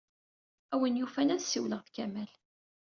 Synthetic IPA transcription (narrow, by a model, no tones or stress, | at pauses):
æwənjufænæðsiwləʁfkæmæl